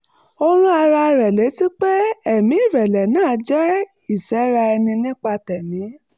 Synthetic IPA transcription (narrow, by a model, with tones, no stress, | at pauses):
o˧ɾ̃ũ˦a˧ɾa˧ɾɛ˨le˨˦ti˦k͡pe˦ɛ˦˨mĩ˨˦i˦˨ɾɛ˨lɛ˨nãː˦˨˦d͡ʒɛ˦ | i˦˨sɛ˨˦ɾa˧ɛ˧nĩ˧nĩ˦k͡pa˧tɛ˨nĩ˨˦